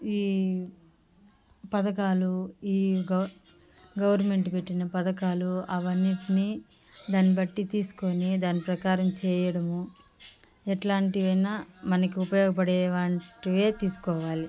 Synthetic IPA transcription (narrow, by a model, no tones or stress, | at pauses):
iː | pɐd̪ɐkaːluiːɡ | ɡɐʋɐɾnme̞ɳʈupe̞ʈːinɐpɐd̪ɐkaːluɐʋɐnːiʈini | d̪aːnːibɐʈːit̪iːsu̥konid̪aːnːipɾɐkaːɾɐmt͡ʃɛːjɐɽɐmu | ɛʈlaːɳʈiʋɐjnamɐnɐkiupɐjɔːɡɐp̬ɐɽɛːʋaːɳʈiʋe̞ːt̪iːsu̥kɔːʋaːli